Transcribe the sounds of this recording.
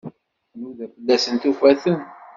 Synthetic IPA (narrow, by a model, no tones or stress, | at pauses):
nuðæfəlːæsənt̪ufæθən